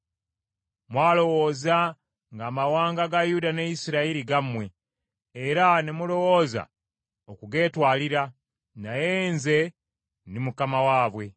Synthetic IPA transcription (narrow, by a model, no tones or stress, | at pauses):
mwaːlo̞wo̞ːza | ŋɡaːmawaːŋɡaɡajudanejisiɾaiɾiɡamwe̞ː | ɾanemulo̞wo̞ːza̰ | okuɡe̞ːtwaːliɾa | najenze̞ | nimukamawaːβwe̞